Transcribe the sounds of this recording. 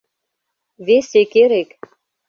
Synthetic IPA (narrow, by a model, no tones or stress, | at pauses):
vesekeɾek